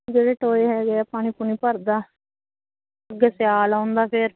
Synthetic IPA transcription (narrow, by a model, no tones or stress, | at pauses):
ɡed͡ʒeʈoːeɦɛːɡapaːɽ̃ĩːpuniːpəɾd̪aː | əɡeːsɪjaːlãːnd̪aːpʰɪɾ